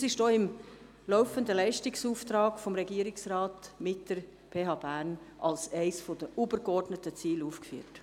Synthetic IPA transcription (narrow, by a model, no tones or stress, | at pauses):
sɪʃdoːɪm | lɔʊfəndəlɛɪʃtɪksuːft̪ɾɑːɡ̥fɔmɾɛɡiːɾɪksɾɑːtmɪtd̥əɾ | pʰeːɦɑːbæɾn | ʔɑlsɛɪsfodəʔuːbəɾɡɔrdnətət͡siːluːfkfyːt